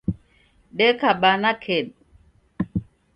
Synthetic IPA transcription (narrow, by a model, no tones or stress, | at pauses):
ɗekaɓanakʰeɗ̚